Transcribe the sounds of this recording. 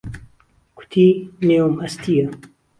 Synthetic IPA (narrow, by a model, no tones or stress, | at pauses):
kʰu̥t̪ʰineomɐst̪ijɐ